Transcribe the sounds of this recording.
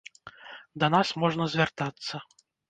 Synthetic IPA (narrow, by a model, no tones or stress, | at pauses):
d̪ɐnasmɔʐnɐzʲvʲart̪at̪sːɐ